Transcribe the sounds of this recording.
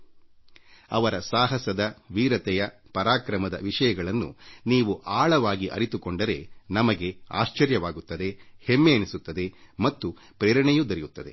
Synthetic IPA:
ɐʋɐɾɐsaːɦɐsɐd̪ɐʋiːɾɐt̪ɛjɐ | pɐɾaːkɾɐmɐd̪ɐ̰ʋiʂɐjɐɡɐɭɐnːṵniːʋuʔaːɭɐʋaːɡiʔɐ̰ɾit̪ukoɳɖɐɾe̞̰nɐmɐɡe̞a̰ːʃt͡ʃɐɾjɐʋaːɡut̪ːɐd̪e̞hemːeɐnisut̪ːɐd̪e̞mɐt̪ːu | pɾeːɾɐɳɛjud̪ɐɾijut̪ːɐd̪e̞

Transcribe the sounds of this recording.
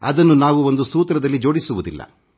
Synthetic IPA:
ɐ̰d̪ɐnːunaːʋuond̪usuːt̪ɾɐd̪ɐlːid͡ʒo̞ːɽisuʋud̪ilːɐ̰

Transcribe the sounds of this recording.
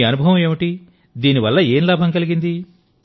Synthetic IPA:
ɐnubʱɐʋɐ̃meːʋiʈi | d̪iːniʋɐlːɐe̞ːnlaːbʱɐŋkɐliɡind̪i

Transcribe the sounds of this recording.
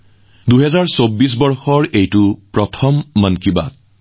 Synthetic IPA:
duɦɛzaɹsobːis̬bɔɹxɔɹejtʊpɹɔtʰɔmːənkiba̰t̚

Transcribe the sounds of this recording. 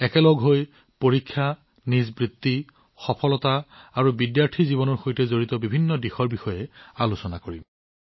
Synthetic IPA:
ɛkɛlɔɡɦoj | poɹikʰːja | nizbɹit̪ːi | xɔpʰɔlɔtaːɹubidjaɹtʰiziβɔnɔɹxojtɛzoɹitɔbibʱinːɔdixɔɹbixɔjɛalusɔna̰koɹim

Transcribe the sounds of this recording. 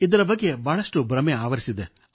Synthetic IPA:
id̪ɐɾɐbɐɡːe̞baːɭɐʂʈubɾɐmeaːʋɐɾisid̪e

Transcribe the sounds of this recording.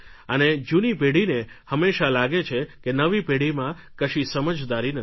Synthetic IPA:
əned͡ʒunipeɽinehəmːeʃalaɡet͡ʃʰekenəʋipeɽimã | kəʃisəməd͡ʒd̪aɾinə

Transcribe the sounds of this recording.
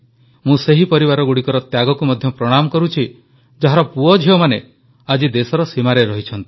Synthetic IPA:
mũseɦipɔɾibaɾɔɡuɽikɔɾɔt̪jaɡɔkumɔd̪ʱjɔpɾɔɽ̃amɔkɔɾut͡ʃʰi | d͡ʒaɦaɾɔpuɔd͡ʒʱiɔmane | ad͡ʒid̪esɔɾɔsimaɾeɾɔɦit͡ʃʰɔnt̪i̥

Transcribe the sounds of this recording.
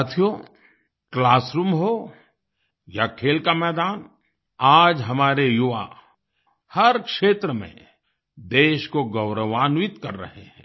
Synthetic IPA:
t̪ʰijo | klaːsɾuːmɦo | jakʰeːlkamɛːd̪aːn | aːd͡ʒɦɐmaːɾejʊʋa̰ | hɐɾkʃeːt̪ɾəmḛ̃ | d̪eːʃkoɡɐʊɾəʋaːnʋɪt̪kɐɾːɐ̰ɦeɦɛ̰̃ː

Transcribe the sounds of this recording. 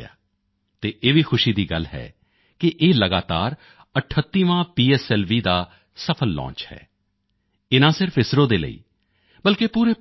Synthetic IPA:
a̰ː | t̪eːʔeːʋiːxʰʊʃiːd̪iːɡəlɦɛ̰ː | kɪʔeːləɡaːt̪aːɾ | əʈʰət̪ːiːʋãːpiːɛːsɛːlʋiːd̪aː | səpʰəlːɔ̰̃ːt͡ʃhɛ̰ː | ɪnãːsɪɾfɪsɾõːd̪eːlə̰ḭː | bəlkeːpuːɾeː

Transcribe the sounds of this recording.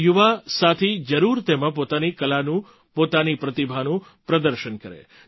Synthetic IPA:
juʋasat̪ʰid͡ʒəɾuɾt̪emãpot̪anikəlanũ | pot̪anipɾət̪ibʱanũ | pɾəd̪əɾʃənkəɾḛ

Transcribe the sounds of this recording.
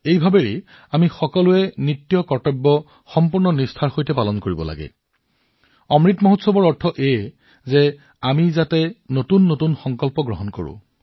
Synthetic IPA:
ejbʱabeɹe | amixɔkɔlʊɛnitːijɔkɔɹtɔbːɔ | xɔmpuɹnɔnistʰaɹxojtɛpalɔnkoɹibɔ̰la̰ɡɛ̰ | ɔmɹitmɔɦotsɔbɔɹɔɹtʰɔʔe | zɛ | amizatɛnotunːotunxɔŋkɔlpɔɡɹɔɦɔnko̰ɹṵ̃

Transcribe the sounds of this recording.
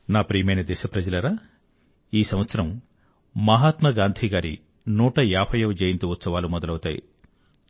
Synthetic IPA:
naːpɾiːmɐjnɐd̪ɛːʃɐpɾɐd͡ʒɐlɐɾaː | iːsɐmɐt̪sɐɾɐm | mɐɦaːt̪mɐɡaːnd̪ʰʱiɡaːɾḭ | nuːʈɐjaːpʰɐjɐʋɐd͡ʒeːjint̪uut̪sɐʋaːlumɔd̪ɐlɐwut̪aːjḭ

